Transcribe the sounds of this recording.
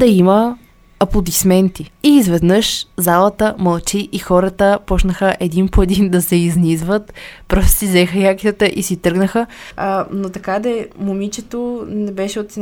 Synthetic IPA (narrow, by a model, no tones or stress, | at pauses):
d̪ɐimə | ɐplˠod̪ismɛnt̪iiːzvɛd̪nɤʃzalˠət̪əmɐlˠt͡ʃiʔixɔɾət̪əpɔt͡ʃnəxəʔɛd̪inpoɛd̪ind̪ɐsɛiznizvət̪pɾɔst̪sizɛxəjakit̪ət̪əʔisit̪ɤɾɡnəxə | not̪ɐkad̪ɛmomit͡ʃɛt̪onɛbɛʃɛot̪